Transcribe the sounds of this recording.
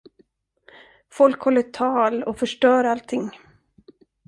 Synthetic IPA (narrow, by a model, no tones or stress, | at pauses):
fɔlkhɔlːət̪ʰɑːlɔfœʂʈœːɾalt̪ʰɪŋ